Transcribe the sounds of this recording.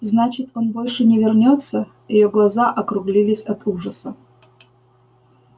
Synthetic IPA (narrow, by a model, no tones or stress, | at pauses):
znat͡ɕɪt̪o̞nbo̞lʲʂɨnʲɪvʲɪrnʲo̞t̪sːə | jɪjoɡlˠɐzaʔɐkɾʊɡlʲilʲɪsʲɐt̪ʰuʐəsə